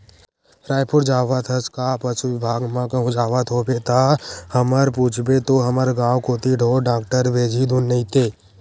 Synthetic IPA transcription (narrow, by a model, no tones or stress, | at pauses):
ɾaːjpʰʊɾd͡ʒaːʋat̪ʰəskapəʃuʋɪbʱaːɡmãkaɦʊ̃d͡ʒaːʋat̪ʰoːbet̪ʰahəməɾpuːt͡ʃʰbet̪oɦɐməɾɡãːwkoːt̪iɖʱoːɖaːk̚ʈəɾʋeːd͡ʒʱid̪ʱunːəĩt̪eː